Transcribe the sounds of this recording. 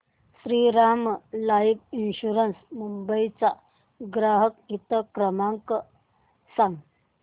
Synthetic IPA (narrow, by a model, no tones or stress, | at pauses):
sɾiɾamlajiʋinɕuɾənsmumbəjt͡sa | ɡɾaɦəkit̪əkɾəmaŋkə | saŋɡ